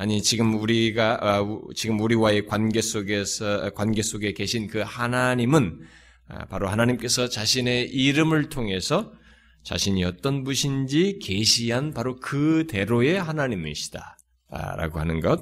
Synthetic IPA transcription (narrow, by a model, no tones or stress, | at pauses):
aɲit͡ɕiɡɯmuɾiɡat͡ɕiɡɯmuɾiwae̞kwanɡe̞s͈oɡeskwanɡe̞s͈ʰoɡe̞ke̞ɕʰinkɯhanaɲimɯn̰ | paɾohanaɲimk͈e̞sʰʌt͡ɕaɕʰine̞ʔiɾɯmɯɭtʰoŋe̞sʰʌ | t͡ɕa̰ɕʰiɲiʌt͈ʌnbuɕʰind͡ʑike̞ɕʰiɦanpaɾokɯte̞ɾoe̞hanaɲimḭɕʰi̥d̥a̰ | ɾa̰ɡoɦhanɯnɡʌt̚